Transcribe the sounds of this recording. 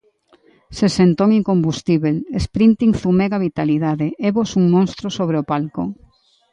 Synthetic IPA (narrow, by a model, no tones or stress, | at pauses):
sesent̪oŋiŋkombust̪iβelespɾint̪iŋθumeɣaβit̪aliðaðeʔeβosuŋmõnst̪ɾosoβ̞ɾeopalko̰ŋ